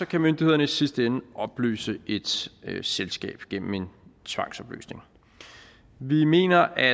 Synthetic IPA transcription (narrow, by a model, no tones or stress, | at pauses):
ɒ̽kʰæmønd̥ihe̝ðˠɐnəisisd̥əenəʔɒ̽b̥ly̰ːsəe̝d̥selsɡ̥ɛ̰ːb̥ɡ̥en̰m̩e̝nt͡sʰʋɑ̈ŋ̰sɒ̽b̥ly̰ːsne̝ŋ | ʋime̝̰ːnɐʔæ